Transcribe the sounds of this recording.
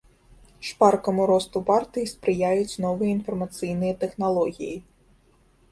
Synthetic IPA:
ʂparkɐmuɾɔst̪upart̪ɨjispɾɨjajut͡sʲnɔvɨjɐinfɐrmɐt̪sɨjn̪ɨjɐt̪ɛxnalˠɔɣʲḭji

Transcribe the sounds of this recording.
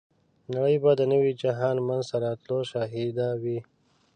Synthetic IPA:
naɽəjbad̪ənəwid͡ʒaɦɑːnmanzt̪aɾɑt̪loʃaɦid̪awi

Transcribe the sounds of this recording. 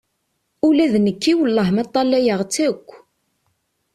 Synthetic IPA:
ulæðnəkːiwəlːəhmæt̪ˤːɑlːæjəʁt͡sːækʷː

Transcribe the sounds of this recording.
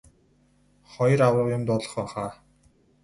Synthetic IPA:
χɔjrawrə̆qjʊmt̪ɔɮɞ̆χɔːχaː

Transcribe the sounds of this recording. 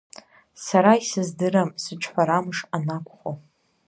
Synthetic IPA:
saɾaisɨzdɨɾamsɨʈ͡ʂʰʼħʷaɾamɨʂanakʷʰʼχo

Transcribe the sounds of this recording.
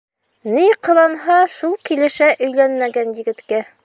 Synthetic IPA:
nijqɤ̆lˠɑnɦɑʃulˠkilɘ̆ʃæʔɵ̆jlænmæɡænjɘ̆ɡɘ̆t̪kæ

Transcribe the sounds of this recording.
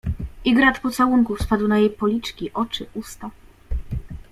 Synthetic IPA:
ʔiɡɾat̪pɔt̪sawuŋkufspad̪wnajejpɔlʲit͡ʂkʲiʔɔt͡ʂɘʔust̪a

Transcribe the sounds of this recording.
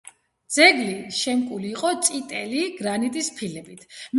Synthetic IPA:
d̪z̥ɛɡliʃɛmkʼuliːqʼɔt̪sʼit̪ʼɛliɡɾanit̪ʼispʰilɛbit̪ʰm

